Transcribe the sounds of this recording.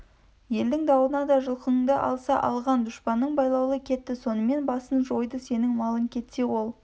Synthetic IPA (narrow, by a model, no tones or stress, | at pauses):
je̞ld̪ɪŋd̪ɑwənɑd̪ɑʒəlˠqənəŋd̪əʔɑ̰lˠsɑʔɑ̰lˠʁɑnd̪ʊʃpɑnːəɴbɑjlˠɑwlˠəkʲʰe̞t̪ːɪso̞nəme̞nbɑsənʒo̞jd̪əse̞nɪŋmɑlˠəŋkʲʰe̞t̪se̞wo̞lˠ